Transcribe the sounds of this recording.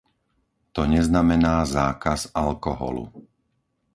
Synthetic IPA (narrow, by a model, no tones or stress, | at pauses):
t̪ɔɲɛznamɛnaːzaːkazalkɔɦɔ̰lṵ